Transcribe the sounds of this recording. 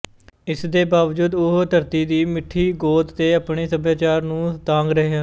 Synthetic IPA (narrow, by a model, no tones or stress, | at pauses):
ɪsd̪eːbaːʋd͡ʒuːd̪ʊɦt̪əɾt̪iːd̪iːmɪʈʰːiːɡoːt̪t̪eːapɳeːsəbaːt͡ʃaːɾnũːt̪ãːŋɡɾəɦeːɦãː